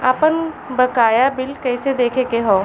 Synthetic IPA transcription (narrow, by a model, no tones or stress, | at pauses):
aːpən | bɐkaːjabɪlkɐɪsed̪eːkʰekeɦoː